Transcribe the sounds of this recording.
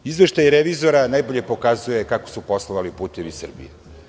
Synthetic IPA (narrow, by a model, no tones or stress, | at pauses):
izʋe̞ʃt̪ajiɾeʋizo̞ɾanajbo̞ʎe̞po̞kazuje̞kako̞̥supo̞slˠoʋalipuːt̪eʋisr̩bḭje